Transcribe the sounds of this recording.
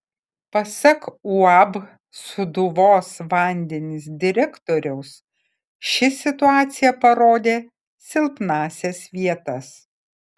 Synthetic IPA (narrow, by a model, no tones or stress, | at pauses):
pɐsʲɐkuɑb | sʊd̪ʊʋoːsʋɑˑnʲd̪ʲɛnʲɪs̬d̪ʲɪɾʲɛkt̪oːɾʲɛʊs | ʃʲɪsʲɪt̪ʊɑːt̪sʲɪjɛpɐɾoːd̪ʲeː | sʲɪlʲˠpnɑːsʲɛsʋʲiɛt̪ɐs